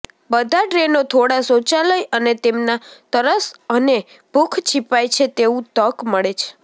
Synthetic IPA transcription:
bəd̪ʱaʈɾenot̪ʰoɽasot͡ʃaləjənet̪emnat̪əɾəsəne | b̥ʱukʰt͡ʃʰipajt͡ʃʰet̪eũt̪əkməɭet͡ʃʰe̥

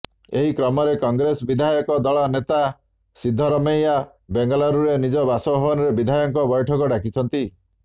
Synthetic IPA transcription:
eɦikɾɔmɔɾekɔŋɡɾesɔbid̪ʱajɔkɔd̪ɔɭanet̪a | sid̪ʱːɔɾɔmeja | beŋɡɔlaɾuɾenid͡ʒɔbasɔbʱɔbɔnɔɾebid̪ʱajɔŋkɔbɔjʈʰɔkɔɖakit͡ʃʰɔnt̪i

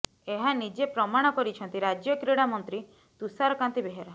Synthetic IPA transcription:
eɦanid͡ʒepɾɔmaɽ̃ɔkɔɾit͡ʃʰɔnt̪iɾad͡ʒjɔkɾeɽ̃amɔnt̪ɾi | t̪usaɾɔkant̪ibeɦeɾa

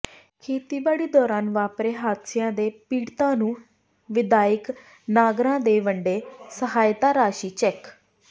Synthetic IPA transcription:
kʰeːt̪iːʋaːɽiːd̪ɔːɾaːnʋaːpɾeːɦaːt̪sɪjãːd̪eːpiːɽt̪ãːnũː | ʋɪd̪aːɪk | naːɡɾãːd̪eːʋəɳɖeːsəɦaːjt̪aːɾaːʃiːt͡ʃɛːk

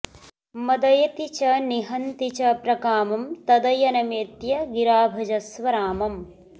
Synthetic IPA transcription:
mɐd̪ɐjɐt̪it͡ʃɐniɦɐnt̪it͡ʃɐpɾɐkaːmɐmt̪ɐd̪ɐjɐnɐmeːt̪jɐɡiɾaːbʱɐd͡ʒɐsʋɐɾaːmɐm

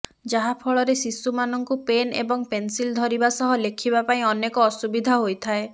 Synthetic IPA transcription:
d͡ʒaɦapʰɔɭɔɾesisumanɔŋkupenḛbɔŋpensild̪ʱɔɾibasɔɦɔlekʰibapaĩɔnekɔːsubid̪ʱaɦojt̪ʰae

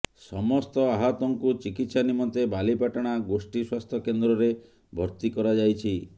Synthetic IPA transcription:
sɔmɔst̪ɔaɦɔt̪ɔŋkut͡ʃikit̪sanimɔnt̪ebalipaʈaɽ̃aɡosʈiswast̪ʰɔkend̪ɾɔɾe | bʱɔɾt̪ikɔɾad͡ʒajt͡ʃʰi

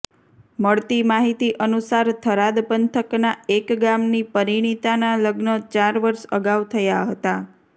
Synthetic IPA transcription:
məɭt̪imaɦit̪iʔənusaɾt̪ʰəɾad̪pənt̪ʰəknaekɡamnipəɾiɽ̃it̪analəɡnət͡ʃaɾʋəɾʃəɡaʋt̪ʰəjaɦət̪a

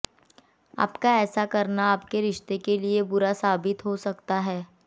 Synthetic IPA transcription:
a̰ːpkaɛːsakɐɾnaaːpkeɾɪʃt̪ekeliebʊɾasaːbɪt̪ɦosɐkt̪aɦɛː

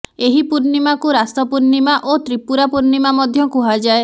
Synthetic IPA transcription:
eɦipuɾnimakuɾast̪ɔpuɾnimaʔot̪ɾipuɾapuɾnimamɔd̪ʱjɔkuɦad͡ʒae

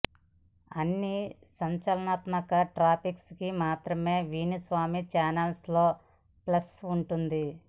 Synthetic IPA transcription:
ɐnːi | sɐɲt͡ʃɐlɐnaːt̪mɐkɐʈɾaːpikskimaːt̪ɾɐme̞ːʋiːnisʋaːmit͡ʃaːnɐlsloː | plɐsuɳʈund̪i

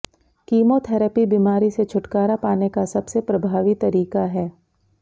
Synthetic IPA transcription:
kiːmot̪ʰɛːɾəpibiːmaːɾiset͡ʃʰʊʈkaːɾapaːnekasɐbsepɾɐbʱaːʋit̪ɐɾiːkaɦɛː

